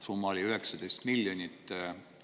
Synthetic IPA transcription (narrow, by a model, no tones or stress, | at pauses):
sumːɑoliyɦeksɑd̪̥ejst̪milːjonʲit̪ːˑ